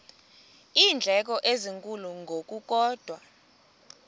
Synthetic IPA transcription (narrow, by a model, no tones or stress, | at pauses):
iːnd͡ɮʱɛk̬ʼɔʔeziŋkʼuluŋɡʱok̬ʼuk̬ʼɔːd̥ʱwa